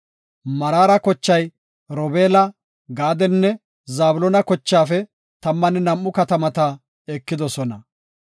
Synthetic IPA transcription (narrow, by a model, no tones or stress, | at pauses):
mɐɾaːɾɐkɔt͡ʃːɐj | ɾɔbeːlɐ | ɡaːd̪ɛnːɛ | zaːbʊlɔnɐkɔt͡ʃːaːfɛ | t̪ɐmːɐnɛnɐmːʊkɐt̪ɐmɐt̪ɐ | ɛkːɪd̪ɔsɔnɐ